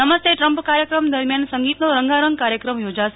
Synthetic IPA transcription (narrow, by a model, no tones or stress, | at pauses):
əməst̪ʰeʈɾəmpkaɾjəkɾəmd̪əɾmjansəŋɡit̪noɾəŋɡʱaɾəŋɡkaɾjəkɾəmjod͡ʒaʃe